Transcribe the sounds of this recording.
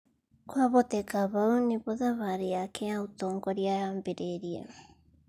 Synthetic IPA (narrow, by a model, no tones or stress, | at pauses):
kwaβot̪ekaβawnipoðaβaɾeakʰeaut̪oŋkoɾiaambeɾeɾia̰